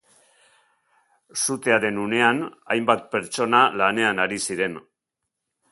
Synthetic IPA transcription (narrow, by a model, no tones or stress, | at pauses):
sut̪e̞aɾe̞nune̞ana̰jmbat̪̚pe̞ɾt͡so̞nalane̞anaɾisiɾe̞n